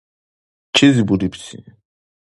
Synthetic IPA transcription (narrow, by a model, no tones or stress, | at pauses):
t͡ʃʰizibud̪ipʰsʰḭ